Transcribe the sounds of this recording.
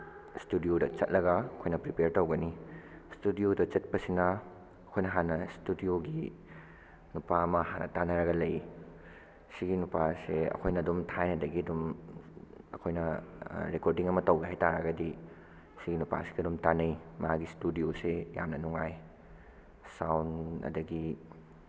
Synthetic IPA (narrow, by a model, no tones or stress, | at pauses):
studiodɐt͡ʃɐt̚lɐɡɐɐkʰojnɐpɾipeɾtowɡɐnistudiodɐt͡ʃɐt̚pɐsinɐː | kʰojnɐɦanɐstudioɡi | nupaɐmɐhanɐ̰tanɐɾɐɡɐlɐj | siɡinupaseɐ̰kʰojnɐːdumtʰajnɐdɐɡiɐdum | ɐkʰojnɐɾekoɾdiŋɐmɐtɐwɡɐɦajtaɾɐɡɐdi | siɡinupa̰si̥ɡiɐdumtanɐjmaɡistudioseja̰mnɐnuŋaj | sawnɐ̰dɐɡi